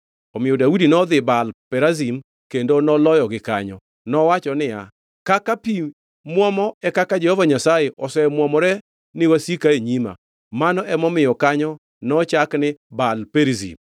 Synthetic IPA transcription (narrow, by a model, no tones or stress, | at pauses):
ɔmɪɔdaudinɔd̪ɪbalpɛɾazim | kendonɔlɔjɔɡɪka̰ɲɔ̰ | nɔwat͡ʃɔnɪja | kakapi | mwɔmɔɛkakad͡ʒɛhɔvaɲasajeʔɔsɛmwɔmɔɾɛ | nɪwasikaeɲima̰ | manɔʔɛmɔmɪjɔkaɲɔ | nɔt͡ʃaknɪbalpeɾzḭm